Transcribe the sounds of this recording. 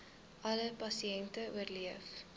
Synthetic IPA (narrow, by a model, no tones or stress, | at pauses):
ʔɐləpɐsiɛntəuərliəf